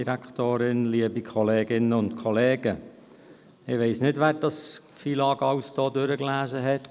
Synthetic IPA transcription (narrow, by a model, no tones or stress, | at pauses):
iɾæktoːɾɪnliəbikʰɔleːɡɪnəʊntkʰɔleːɡə | ɪʋeɪsnɪtʋæːɾd̥ɑs | fiːlɑːɡɑwsd̥oːdøɾəklæːzəɦɛt